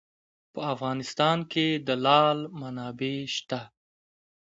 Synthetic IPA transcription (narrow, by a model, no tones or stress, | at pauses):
pəafɣɑːnɪst̪ɑnkʰed̪əlɑlmanɑbeʃt̪a